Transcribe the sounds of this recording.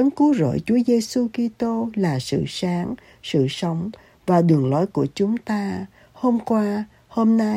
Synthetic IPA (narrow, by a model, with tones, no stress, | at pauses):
ə˨˦nku˨˦zə̰ː˧˨jt͡ɕu˨˦əze˧su˧ki˧t̪o˧laː˨˩sɨ̰˧˨saː˨˦ŋ | sɨ̰˧˨sə˨˦wŋ͡m | vaː˨˩ɗɨ˨˩əŋlɔ˨˦jku˧˩ət͡ɕʊ˨˦ŋ͡mt̪aː˧ | ho˧mkwaː˧ | ho˧mna˧